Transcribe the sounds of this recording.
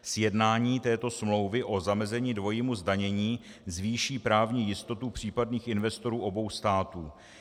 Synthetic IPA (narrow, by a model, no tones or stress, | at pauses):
sjɛdnaːɲiːt̪ɛːt̪o̞smlo̞wvɪʔo̞zamɛzɛɲiːdvo̞jɪmuzdaɲɛɲiː | zviːʃiːpɾaːvɲiːjɪst̪o̞t̪upr̝̥iːpadniːxɪnvɛst̪o̞ɾuːʔo̞bo̞wst̪aːt̪uː